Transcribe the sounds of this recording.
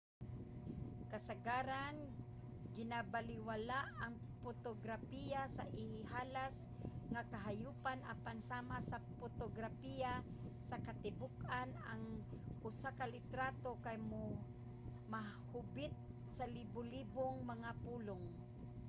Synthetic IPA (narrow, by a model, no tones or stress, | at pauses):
kasaɡaːɾan | ɡɪnabalɪwalaʔaŋ | pot̪oɡɾapijasa̰ʔɪhɪhaːlas | ŋakaɦajuːpanʔapansaːmasapot̪oɡɾapija | sakat̪ɪbʊkanaŋʔʊsakalɪt̪ɾat̪okajmo | ma | hʊbɪt̪̚ | sɐlibʊliːboŋmɐŋapuːloŋ